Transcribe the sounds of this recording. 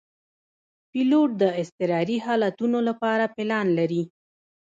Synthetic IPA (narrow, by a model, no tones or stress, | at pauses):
piloʈ̚d̪əɪst̪ɪɾɑɾiɦɑlat̪unolapɑɾapɪlɑnlaɾi